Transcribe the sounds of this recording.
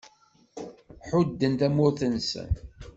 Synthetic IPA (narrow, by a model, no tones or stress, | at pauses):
ħʊd̪ːənt̪æmʊɾθənsə̰n